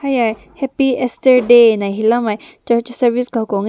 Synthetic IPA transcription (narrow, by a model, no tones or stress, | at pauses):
hajaj | hɛpiesʈəɾɖenajɦilamaj | t͡ɕəɾt͡ʃsəɾʋisɡʱakoŋ